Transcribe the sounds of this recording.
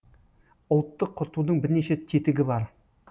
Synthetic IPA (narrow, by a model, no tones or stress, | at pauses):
ʊlˠt̪ːəqʰːʊɾt̪ud̪əɴbɪɾneʃet̪ʰet̪ɪɡʲɪbɑɾ